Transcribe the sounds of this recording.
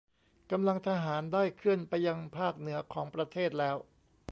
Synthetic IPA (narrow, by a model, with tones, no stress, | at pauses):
ka˧mla˧ŋt̪ʰa˧ɦaː˩˦ndaː˥˩jkʰɯ˥˩ənpa˧jːa˧ŋpʰaː˥˩k̚nɯ˩˦ɐkʰɔː˩˦ŋpɾa˧t̪ʰeː˥˩t̪̚lɛː˦˥w